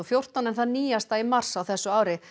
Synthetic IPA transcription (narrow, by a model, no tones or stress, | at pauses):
ɔfjowr̥t̪anɛnθaðniːjast̪aimar̥sawθɛsːʏaːwɾɪ